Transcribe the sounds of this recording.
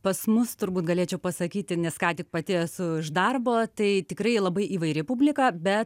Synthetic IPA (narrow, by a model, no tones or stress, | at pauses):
pɐsmʊst̪ʊɾbuːt̪ɡɐlʲeːt͡ʃʲɛʊpɐsɐkʲiːt̪ʲɪnʲɛskɑːt̪ʲɪk̚pɐt̪ʲeːjsʊɪʒd̪ɐrboːt̪ɐɪt̪ʲɪkɾɐɪlˠɐbɐɪʔiːʋɐɪɾʲɪpubʲlʲɪkɑbʲɛt̪